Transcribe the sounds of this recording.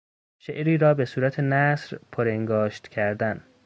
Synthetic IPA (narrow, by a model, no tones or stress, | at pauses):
ʃeʔɾiːɾɒːbe̞suːɾæt̪ʰe̞næsɾpʰoɾeŋɡɒːʃt̪cʰæɾd̪æn